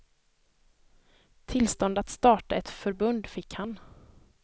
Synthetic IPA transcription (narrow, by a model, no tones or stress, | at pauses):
t̪ʰɪlst̪ɔnd̪at̪st̪ɑːʈaɛt̪fœɾbɵnd̪fɪkhan